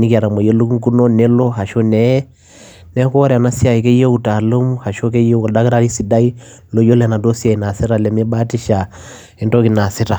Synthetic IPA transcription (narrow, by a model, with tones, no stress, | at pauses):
ni˦ki˦a˨ɾa˨mɔ˨je˦lu˦ku˦ŋ˦ku˦no˦nɛ˦lo˦ɦa˨ʃo˦nɛ˦ | nɛ˦kɔ˦ɾɛ˨a˨na˦si˦a˨i˨ke˦je˦u˦ta˨lo˦mha˨ʃo˦ke˦je˦˨da˦kɾa˦ɾi˦si˨˦da˦i˦ | lo˦jo˦lɛ˨na˨do˦si˦a˨i˨na˨si˦ɾa˨lɛ˨me˦ba˦ti˦ʃa˨ | i˨nto˦ki˨na˨si˦ta˨